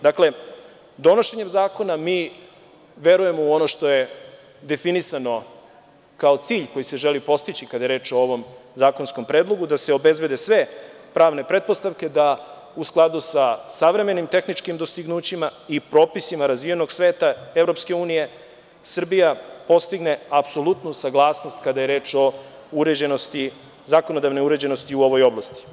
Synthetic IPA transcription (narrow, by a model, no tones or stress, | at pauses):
d̪akle̞ | d̪o̞noʃe̞ɲe̞mzaːko̞namiː | ʋe̞ɾuje̞mouono̞ʃt̪o̞je̞ | d̪e̞finisano̞ | kaot̪siːʎko̞jise̞ʒelipo̞st̪it͡ɕikad̪aje̞ɾeːt͡ʃo̞o̞ʋo̞mzaːkonsko̞mpɾe̞ːd̪lˠo̞ɡud̪ase̞o̞be̞zbe̞d̪e̞sʋe̞ | pɾaːʋne̞pɾe̞t̪̚po̞st̪aʋke̞d̪a | usklˠad̪usasaʋɾe̞me̞nimt̪e̞xnit͡ʂkimd̪o̞st̪iɡnuːt͡ɕimaipɾo̞ːpisimaɾazʋije̞no̞ɡsʋe̞ːt̪ae̞vɾo̞pske̞uːnije̞ | sr̩bijapo̞st̪iɡne̞apso̞lˠut̪nusaɡlˠaːsno̞st̪kad̪aje̞ɾe̞ːt͡ʃo̞uɾed͡ʑenost̪i | zako̞no̞d̪aʋneuɾe̞d͡ʑe̞no̞st̪iuo̞ʋo̞jo̞blˠast̪i̥